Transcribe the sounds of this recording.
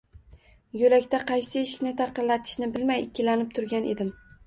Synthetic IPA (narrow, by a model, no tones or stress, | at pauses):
jolakʲt̪aqʰɑjsɪeʃɪ̥kʲnɪt̪ʰɑqɨnlat̪ʰɪ̥ʃnɪbɪlmajɪkʲʰːɪlanɪp̚t̪ʰʊɾɡʲanʔe̞̰d̪ɪm